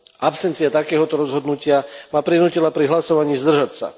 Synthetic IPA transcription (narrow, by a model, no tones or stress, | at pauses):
apsɛnt̪t͡siat̪akɛːɦɔt̪ɔɾɔzɦɔd̪nucɪamaːpɾinuːcilapɾiɦlasɔʋaɲiːzd̪r̩ʒacsa̰